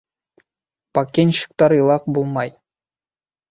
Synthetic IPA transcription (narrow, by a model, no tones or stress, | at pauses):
pɑkʲːenʲɕɯ̥̆k̚t̪ɑɾɯlˠɑq̚bulˠmɑj